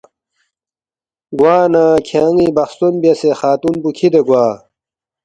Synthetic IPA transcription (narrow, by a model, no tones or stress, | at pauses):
ɡwaːnaːkʰãːŋibɐxst̪unbjɐsexaːt̪unbukʰid̪eɡwaː